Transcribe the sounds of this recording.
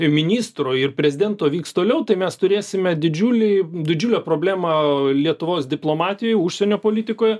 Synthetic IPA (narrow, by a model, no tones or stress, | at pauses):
mʲɪnʲiːst̪ɾoːɪrpʲɾʲɛzʲɪd̪ʲɛnt̪oːʋʲiːkst̪oːlʲɛʊt̪ɐɪmʲɛst̪ʊɾʲeːsʲɪmʲɛd̪ʲɪd͡ʒʲuːlʲɪd̪ʲɪd͡ʒʲuːlʲɛːpɾoːbʲlʲæːmɐlʲiɛt̪ʊʋoːsd̪ʲɪplˠoːmɑːt̪ʲɪjojʊʃʲsʲɛnʲoːpoːlʲiːt̪ʲɪkoːjɛ